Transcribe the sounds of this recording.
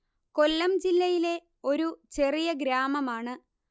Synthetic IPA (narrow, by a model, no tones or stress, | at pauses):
ko̞lːɐmd͡ʑilːɐjile̞ | o̞ɾut͡ɕe̞rijɐɡɾaːmɐmaːɳɨ